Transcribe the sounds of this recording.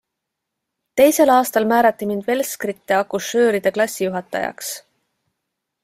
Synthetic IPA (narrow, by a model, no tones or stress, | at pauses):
t̪e̞jse̞lɑːst̪ɑlmæːɾɑt̪ˑːimind̪ve̞lskrit̪ːˑeɑkusːø̞ːɾid̪̥e̞klɑsʲːijuɦɑt̪ːˑɑ̰jɑ̰ks